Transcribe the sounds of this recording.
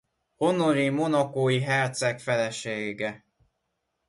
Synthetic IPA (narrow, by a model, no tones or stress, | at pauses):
ho̞no̞ɾimo̞nɒkoːjiɦɛrt̪sɛkfɛlɛʃeːɡɛ